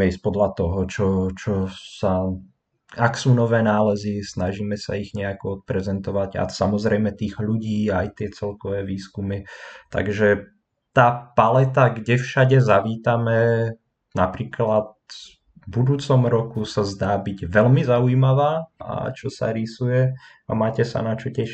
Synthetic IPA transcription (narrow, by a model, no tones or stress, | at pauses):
ɛispɔd̪lat̪ɔɦɔt͡ʃɔt͡ʃɔsa | aksuːnɔʋɛːnaːlɛzisnaʒiːmɛsa̰iɣɲɛakɔɔt̪̚pɾɛzɛnt̪ɔʋaɟa̰samɔzɾɛjmɛt̪iːɣʎuɟiːaːjt̪ɪɛt͡sɛlkɔʋɛːʋiːskumit̪a̰ɡʒɛ | t̪aːpalɛt̪aɡɟɛfʃaɟɛzaʋiːt̪amɛ | napɾiːklat̪̚ | bud̪uːt͡sɔmɾɔkusazd̪aːbiɟʋɛlmizauimaʋaːa̰t͡ʃɔsa̰ɾisujɛ | amaːcɛsa̰nat͡ʃɔcɛʃ